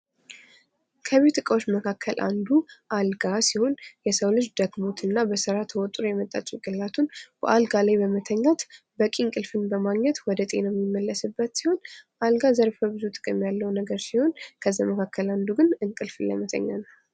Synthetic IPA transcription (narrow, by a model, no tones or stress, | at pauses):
kʰəβet̪ɨkʼəwot͡ʃːməkʰakʰːəlʔa̰nd̪uʔalɡasiho̞njɛsəwlɨt͡ʃːd̪əɡbot̪ʰɨnːabəsɨɾat̪ʰəwɔt̪ʼuɾjɛmət̪ʼːa̰t͡ʃʼuɡʼɨlat̪ʰunb̥ə̰ʔalɡalajbəmət̪ʰəɲːat̪ | bəkʼiŋkʼɨlfɨnbəmaɡɲɛt̪wɔd̪ət̪ʼe̞nəmːjɪmːəlːəsɨbːət̪siho̞nʔalɡazəɾfəbɨzut̪ʼɨ̥kʼɨmjalːəwnəɡəɾsiho̞nkʰəzːaməkʰakːəland̪uɡɨnɨŋkʼɨlfɨnlə̰jmət̪ʰə̰ɲːanə